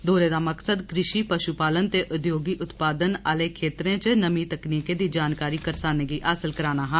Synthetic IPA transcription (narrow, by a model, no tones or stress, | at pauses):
d̪ʱoːɾed̪amɐksəd̪kɾɪʃipɐʃupaːlənt̪eʔʊd̪joːɡiʔʊt̪paːd̪ənaːlekʰeːt̪ɾẽt͡ʃenɐmit̪ɐkniːked̪id͡ʒaːnkaːɾikəɾsaːneɡiʔaːsɪlkəɾaːnaɦɛ̃ː